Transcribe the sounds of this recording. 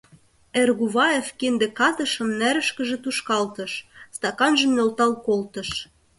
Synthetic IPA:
erɣuβɑefkend̪ĕkɑt̪ɤ̆ʃə̆mnæɾə̆ʃkə̆ʒĕt̪uʃkɑlt̪ɤ̆ʃst̪ɑkɑnʒə̆mnolt̪ɑlkolt̪ɤ̆ʃ

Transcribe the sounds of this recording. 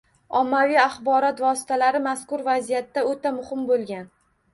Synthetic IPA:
ɒmːavijaχbɒɾɒt̪vɒsɪ̥t̪ʰalaɾɪmaskʊɾvazijat̪ːaot̪amʊhɪmbolˠɡʲan

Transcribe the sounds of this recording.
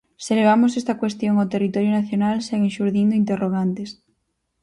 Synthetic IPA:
seleβ̞amosest̪ɐkwest̪joŋat̪erit̪oɾjonaθjonalseɣeʃuɾðind̪ʊint̪̬eroɣ̞ant̪es

